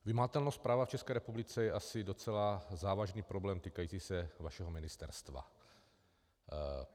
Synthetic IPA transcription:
vɪmaat̪ɛlnospɾaːvaft͡ʃɛskɛːɾɛpublɪt͡sɛjɛʔasɪdo̞t͡sɛlazaːvaʒniːpɾo̞blɛːmt̪iːkajiːt͡siːsɛvaʃɛɦomɪnɪst̪ɛ̰ɾst̪va̰

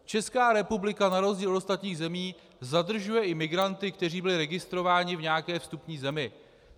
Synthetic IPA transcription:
t͡ʃɛskaːɾɛpublɪkanaɾo̞zɟiːlost̪at̪ɲiːɣzɛmiː | zad̪r̩ʒujɛʔɪmɪɡɾant̪ɪkt̪ɛriːbɪlɪɾɛɡɪst̪ɾo̞vaːɲɪvɲɛakɛːfst̪upɲiːzɛmɪ

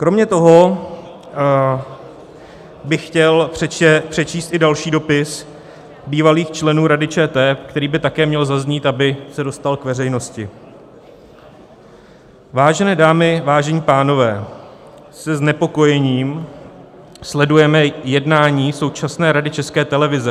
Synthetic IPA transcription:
kɾo̞mɲɛt̪o̞ɦo̞ | bɪxcɛlpr̝̥ɛt͡ʃiːst̪ʔɪdalʃiːdo̞pɪs | biːvaliːxt͡ʃlɛnuːɾadɪt͡ʃɛːt̪ɛːkt̪ɛɾiːbɪt̪akɛːmɲɛlzazɲiːt̪ʔabɪsɛdo̞st̪alkvɛrɛjno̞scɪ | vaːʒɛnɛːdaːmɪvaːʒɛɲiːpaːno̞vɛː | sɛznɛpo̞ko̞jɛɲiːm | slɛdujɛmɛjɛdnaːɲiːso̞wt͡ʃasnɛːɾadɪt͡ʃɛskɛːt̪ɛlɛvɪzɛ

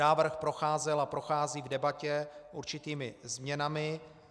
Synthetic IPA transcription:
aːvr̩xpɾo̞xaːzɛlapɾo̞xaːziːvdɛbacɛʔuɾt͡ʃɪt̪iːmɪzmɲɛnamɪ

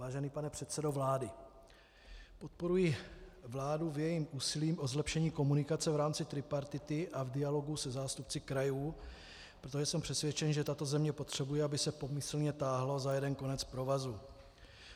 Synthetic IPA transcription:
vaːʒɛniːpanɛpr̝̥ɛt̪sɛdo̞vlaːdɪ | po̞t̪̚po̞ɾujɪvlaːduvjɛjimʔuːsɪliːmʔo̞zlɛpʃɛɲiːko̞munɪkat͡sɛvɾaːmt͡sɪt̪ɾɪpaɾt̪ɪt̪ɪʔavdɪalo̞ɡusɛzaːst̪up̚t͡sɪkɾajuː | pɾot̪oʒɛsɛmpr̥ɛsvjɛt͡ʃɛnʒɛt̪at̪o̞zɛmɲɛpo̞t̪r̝̥ɛbujɛabɪsɛpo̞mɪsl̩ɲɛt̪aːɦlozajɛdɛnko̞nɛt͡spɾo̞vazu

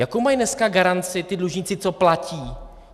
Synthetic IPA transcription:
jakowmajnɛskaɡaɾant͡sɪt̪ɪdluʒɲɪt͡sɪt͡soplaciː

